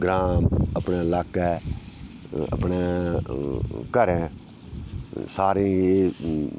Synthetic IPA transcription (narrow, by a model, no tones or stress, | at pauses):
ɡɾaːməpɳeːlaːkɛː | ə̰pɳeː | kəɾẽː | saːɾẽːeː